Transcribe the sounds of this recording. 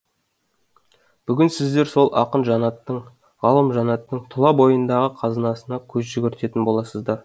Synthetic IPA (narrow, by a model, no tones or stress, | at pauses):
b̥ʏɡʲɪnsɪzd̪e̞ɾso̞lˠʔɑqənʒɑnɑt̪ːəɴ | ʁɑlˠəmʒɑnɑt̪ːəɴt̪ʰʊlˠɑbo̞jənd̪ɑʁəqʰɑzənɑsənɑkʲʰɵzʒʏɡʲɪɾt̪e̞t̪ɪnbo̞lˠɑsəzd̪ɑɾ